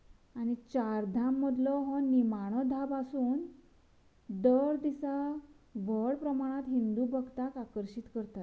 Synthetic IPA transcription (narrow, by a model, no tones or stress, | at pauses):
aɽ̃it͡ɕaɾd̪ʱamːəd̪lɔɦɔnimaɽ̃ɔd̪ʱabasuːn | d̪əɾd̪isaʋəɽpɾəmaɽ̃at̪ɦind̪ubəɡt̪akakəɾɕit̪kəɾt̪at̪